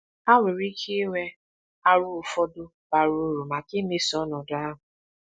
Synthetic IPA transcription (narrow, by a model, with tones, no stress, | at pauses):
a˦wʷe˨ɾi˦kʰi˦wɛ˧ | a˦ɾu˦˨fɔ˦dʊ˦ | ba˨ɾu˦ɾu˨ma˨ki˦ne˦sɔ˦nɔ˨dʊ˨˦a˦ɦʊ˨